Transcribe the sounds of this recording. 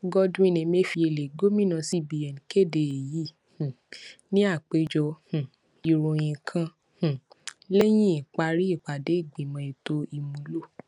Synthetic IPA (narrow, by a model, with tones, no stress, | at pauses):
ɡɔ˦dũ˦i˦nĩ˧me˦fi˧e˧˨le˨ɡo˦mĩ˦nã˧si˦bi˧ɛ˨n˨ke˦˨de˨e˨ji˨˦ | h̩˨ | nĩ˦a˦˨k͡pe˧d͡ʒɔ˧ũ˨ | i˨ɾõ˨j̃ĩ˨kʰã˧ | hũ˨ | le˦j̃ĩ˦i˨k͡pa˧ɾi˦i˦˨k͡pa˨de˨˦i˦˨ɡ͡bi˨mã˧i˨to˦i˧mũ˧˦lo˦˨